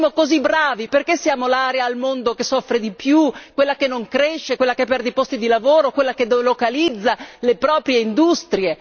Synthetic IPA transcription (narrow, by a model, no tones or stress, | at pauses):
mokozibɾaːviperkesːjaːmolaːɾeaːlmond̪okesɔfɾed̪ipjukwelːakenːoŋkɾeʃːekwelːakepːɛrd̪epɔst̪id̪ilavoːɾokwelːakelokalid̪zːalepɾɔːpɾjeind̪ust̪ɾie